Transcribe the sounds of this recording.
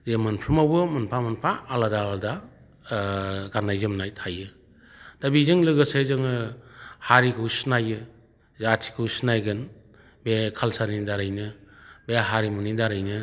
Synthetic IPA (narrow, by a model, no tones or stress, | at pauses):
ɾemɯnpʰimawbɯmɯnpʰamɯnpʰaʔːladalda | ɡanːajzɯmnajtʰajɯ | d̥abizɯŋlɯɡɯsezɯŋɯhaɾikʰɯwsnajɯ | zatʰi̥kʰɯwsnajɡɯn | bekʰalsaɾnidaɾajnɯbeɦaɾimunidaɾajnɯ